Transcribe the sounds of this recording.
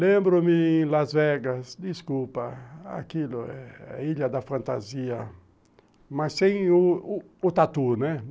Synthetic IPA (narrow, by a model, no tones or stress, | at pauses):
lẽmbɾʊmɪẽj̃lazvɛɡɐsd̪iskupɐa̰kilʊɛiʎɐd̪ɐfɐ̃nt̪a̰ziɐ | masːẽj̃ʊː | t̪at̪unɛ